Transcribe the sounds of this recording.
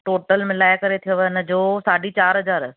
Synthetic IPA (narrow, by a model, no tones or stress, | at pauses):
ʈoːʈəlmɪlaːɪkɐɾet̪ʰijoʋnə̆d͡ʑoːsaːɖit͡ɕaːɾɦɐzaːɾ